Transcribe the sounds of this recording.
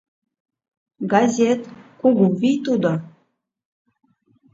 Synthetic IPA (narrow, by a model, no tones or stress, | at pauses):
ɡazʲet̪kuɡuvijt̪ud̪o